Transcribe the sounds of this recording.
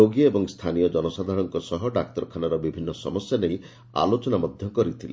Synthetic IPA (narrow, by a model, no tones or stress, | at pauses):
oɡiɔebɔŋst̪ʰanijɔd͡ʒɔnɔsad̪ʱaɽɔŋkɔsɔɦɔɖak̚t̪ɔɾɔkʰanaɾɔbibʱinːɔsɔ̰mɔsjanej | a̰lot͡ʃɔnamɔd̪ʱjɔkɔɾit̪ʰilḛ